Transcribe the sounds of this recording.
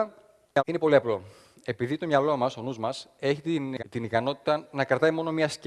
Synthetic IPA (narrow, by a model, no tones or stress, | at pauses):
ɐine̞po̞liɐplo̞ | e̞piðit̪o̞mɲɐlo̞mɐso̞nuzmɐse̞çit̪t̪inikɐno̞t̪i̥t̪ɐnɐkɾɐt̪ɐimo̞no̞miɐsc